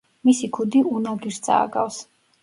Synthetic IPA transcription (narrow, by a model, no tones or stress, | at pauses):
misikʰud̪iunɔɡiɾsd̪zʼa̰ːɡa̰vs